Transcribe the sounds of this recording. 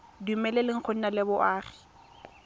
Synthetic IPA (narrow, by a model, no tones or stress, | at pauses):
dumɛlelɪŋ̩χʰon̩nalɪbʊʔaːrɪ̥